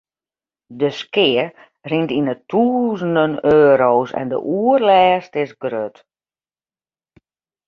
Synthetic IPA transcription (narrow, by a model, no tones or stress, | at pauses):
dəskɪər | rintinətʰuːzəndənøːɾoːsɛ̰ndə̰ʔuərlɛːstɪsɡrøt